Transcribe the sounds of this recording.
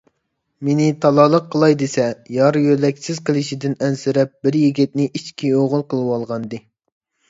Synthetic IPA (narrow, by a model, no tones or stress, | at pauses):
menɪt̪ʰɑlˠɑːlˠəqʰːəlˠɑjd̪esɛjɑɾjølɛkʲsɪz̥qʰəlˠɪʃid̪ɪnɛnsɪɾɛp̚bɪɾjiɡʲɛt̪̚nɪʔit͡ʃkʲioʁʊlˠqəlˠɨwɑlˠʁɑnd̪ɨ